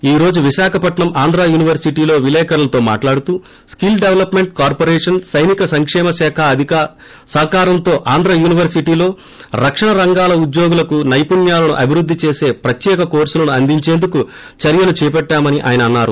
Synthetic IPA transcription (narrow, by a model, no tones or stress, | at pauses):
iːɾo̞ːd͡ʒuʋiʃaːkʰɐpɐʈɳɐmʔaːnd̪ɾaːjuːniʋɐɾsiʈiːlo̞ːʋilɛːkɐɾɐlɐt̪o̞ːma̰ːʈlaːɽut̪uː | skilɖeʋlɐpme̞ɳʈ̚kaːɾpoɾɛːʂɐnsɐjnikɐsɐŋkʂɛːmɐsɛːkʰɐɐd̪ʱika | sɐɦkaːɾɐnt̪o̞ːʔaːnd̪ɾaːjuːniʋɐɾsiʈiːlo̞ː | ɾɐkʂɐɳɐɾɐŋɡaːlɐud̪jo̞ːɡulɐkunɐjpunjaːlɐnuʔɐbʱiɾud̪ʱːit͡ʃeːse̞ːpɾɐt̪jɛːkɐko̞ːɾsulɐnuɐnd̪iɲt͡ʃeːnd̪uku | t͡ʃɐɾjɐlut͡ʃɛːpɛʈːaːmɐniʔa̰ːjɐnɐɐnːaːɾṵ